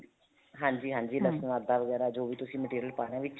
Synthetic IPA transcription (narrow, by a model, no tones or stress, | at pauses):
ɦãːɲd͡ʒiːɦãːɲd͡ʒiːləsənaːd̪aːʋəɡɛːɾaːd͡ʒoːʋiːt̪ʊsĩːməʈiːɾijəlpaːɽ̃ãːʋɪt͡ʃ